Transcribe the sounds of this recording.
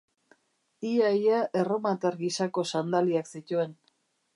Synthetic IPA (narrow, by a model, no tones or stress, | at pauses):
iajaʔe̞ro̞mat̪aɾɣisako̞sand̪aliaksit̪ue̞n